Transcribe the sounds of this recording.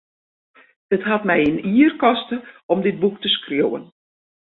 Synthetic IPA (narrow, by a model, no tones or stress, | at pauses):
dətɦatmɛjiniərkɔstəɔmdɪt̚buk̚təskrjowə̰n